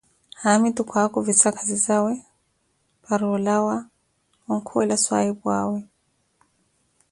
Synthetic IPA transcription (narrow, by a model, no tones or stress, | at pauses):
hamit̪ukʰwakuvisakʰazizawɛ | paɾɔlawa | wɔŋ̩kʰuɛlaswa̰ibwawɛ